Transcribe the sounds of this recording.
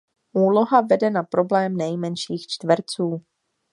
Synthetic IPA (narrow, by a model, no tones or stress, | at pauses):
ʔuːloɦavɛdɛnapɾo̞blɛːmnɛjmɛnʃiːxt͡ʃt̪vɾt͡suː